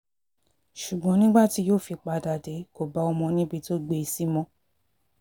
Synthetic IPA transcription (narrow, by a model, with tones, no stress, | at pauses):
ʃu˨ɡ͡bɔ̃˨˦nĩ˦ɡ͡ba˦ti˧˦joː˦˨fi˧k͡pa˧da˨de˨˦ko˨ba˨˦ɔ˧mɔ̃˧nĩ˦bi˧to˦ɡ͡be˧i˧si˦mɔ̃˦